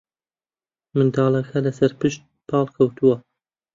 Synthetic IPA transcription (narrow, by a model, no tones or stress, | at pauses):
mɨnd̪ɑːlˠɐkʰɐlɐsɐɾpɨʃt̪̚pʰɑːlˠkʰɐwt̪ʰuwɐ